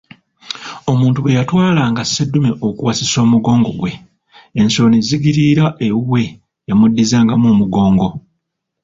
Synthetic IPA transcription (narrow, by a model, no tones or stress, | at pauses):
o̞muːntuβwe̞jatwaːlaːŋɡasedːumeʔokuwasiso̞ːmuɡo̞ːŋɡo̞̰ɡwe̞ | enso̞niziɡiɾiɾaʔewuwe̞ | jamudːizaːŋɡamoːmuɡo̞ːŋɡo̞